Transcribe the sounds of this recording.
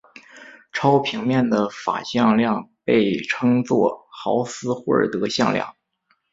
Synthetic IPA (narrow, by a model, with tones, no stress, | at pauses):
ʈ͡ʂʰɑ˥ʊpʰi˧˥ŋmjɛ˥˩nd̪ə˩fa̰˨˩ɕjɑ˥˧ŋljɑ˥˧ŋpe˥˩ɪʈ͡ʂʰɤ˥ŋt͡swɔ̰˥˩xɑ˧˥ʊsɹ̩˥xwə̰˥˩˨t̪ɤ˧˥ɕjɑ̰˥˧ŋljɑ̰˥˩ŋ